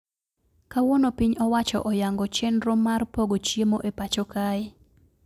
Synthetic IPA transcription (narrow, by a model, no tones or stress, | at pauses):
kawonopiɲɔwat͡ʃɔ̰ʔɔjaŋɡɔt͡ʃenɾomːarpoɡot͡ʃjemoʔepat͡ʃokaɪ